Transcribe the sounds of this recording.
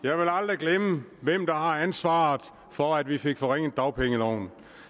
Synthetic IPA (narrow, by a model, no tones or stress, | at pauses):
jɑ̈ɪʋe̝lɑ̈ld̥ʁiɡ̥leməʋem̰d̥ɑ̈hɑ̈ænsʋɑ̈ːð̩ˠ | fɒ̽æd̥ʋife̝ɡ̥fɒʁeŋ̰ð̩ˠd̥ɑ̈ʊpʰeŋəlɒʊ̰n